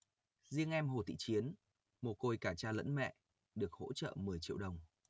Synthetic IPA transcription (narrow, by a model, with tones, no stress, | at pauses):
zi˧əŋʔɛ˧mɦo˨˩t̪ḭ˧˨t͡ɕi˨˦ən | mo˨˩t̚ko˧jkaː˧˩t͡ɕaː˧lə̰˧˥nmɛ̰˧˨ | ɗɨ˨˩ək̚ho̰˧˥t͡ɕə̰ː˧˨mɨ˨˩əjt͡ɕḭ˧˨əwɗə˨˩wŋ͡m